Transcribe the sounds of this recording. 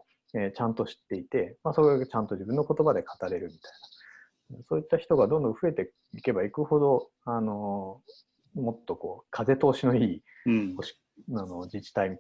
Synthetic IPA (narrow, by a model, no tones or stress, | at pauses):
et͡ɕãnt̪o̞ɕi̥t̪ːe̞it̪e̞maso̞ɾeɡat͡ɕãnt̪o̞d͡ʑibɯ̃nːo̞ko̞t̪o̞bad̪e̞kʰḁt̪aɾe̞ɾɯ̟mʲit̪ai̥na | so̞ːit̪ːaçi̥t̪o̞ɡad̪õnd̪õɸɯ̟e̞t̪e̞ | ike̞baikɯ̟ho̞d̪o̞ | ano̞ | mo̞t̪ːo̞ko̞ːkʰaze̞t̪o̞ːɕino̞iː | oɕi̥ | ano̞d͡ʑit͡ɕi̥t̪aimʲi